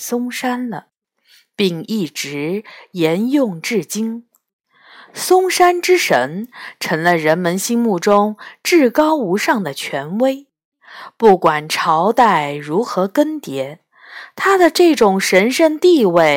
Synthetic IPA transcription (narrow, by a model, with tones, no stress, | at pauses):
sʊ˥ŋʂa˥nlə˨˩ | pi˥˧ŋi˥˩ʈ͡ʂɻ̩˧˥jɛ˧˥njʊ˥˧ŋʈ͡ʂɻ̩˥˩t͡ɕi˥ŋ | sʊ˥ŋʂa˥nʈ͡ʂɻ̩˥ʂə˧˥ŋʈ͡ʂʰɤ˧˥ŋlə˧ɻə˧˥nmə˧nɕi˥ŋmu˥˩ʈ͡ʂʊ˥ŋʈ͡ʂɻ̩˥˩kɑ˥ʊu˧˥ʂɑ˥˩ŋd̪ə˩t͡ɕʰɥɛ˧˥nwe˥ɪ | pu˥˩kwa˨˩nʈ͡ʂʰɑ˧˥ʊt̪a˥˩ɪɻu˧˥xɤ˧˥kə˥nt̪jɛ˧˥ | t̪ʰa˥d̪ə˨ʈ͡ʂɤ˥˩ʈ͡ʂʊ˨˩ŋʂə˧˥nʂə˥˧nt̪i˥˧we˥˩ɪ